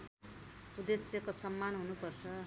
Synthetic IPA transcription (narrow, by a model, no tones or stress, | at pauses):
pud̪esjʌkosʌmːanɦunupʌrt͡sʰʌ